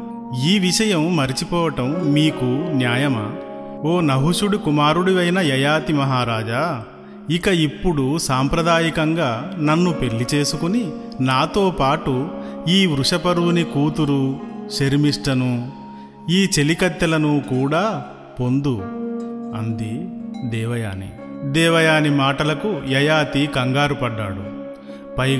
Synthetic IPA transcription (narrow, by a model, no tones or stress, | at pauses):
iːʋiʂɐjɐmːɐɾit͡ʃipɔːʋɐʈɐmːiːkunjaːjɐmɐ̰ | o̞ːnɐɦuʂuɽikumaːɾuɽiʋɐjnɐjɐjaːt̪imɐɦaːɾaːd͡ʒa | ikɐipːuɽusaːmpɾɐd̪aːjikɐŋɡaːnɐnːupe̞ɭːit͡ʃe̞ːsukuni | naːt̪oːpaːʈuiːʋɾuʂɐpɐɾuʋunikuːt̪uɾuʃeɾmiʂʈɐnu | iːt͡ʃe̞likɐt̪jɐlɐnukuːɽaː | po̞nd̪u | ɐnd̪id̪ɛːʋɐja̰ːnḭ | d̪ɛːʋɐjaːnimaːʈɐlɐkujɐjaːt̪ikɐŋɡaːɾupɐɖːa̰ːɽu | pɐ